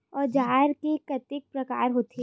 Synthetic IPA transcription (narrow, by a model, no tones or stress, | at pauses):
ɔːɾd͡ʒaːɾkekɐt̪ɪk̚pɾɐka̰ːɾɦoːt̪ʰe